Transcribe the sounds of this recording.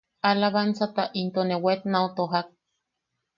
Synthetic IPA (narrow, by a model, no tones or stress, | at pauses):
alaβant͡sat̪aʔint̪onewet̪naut̪oɦak̚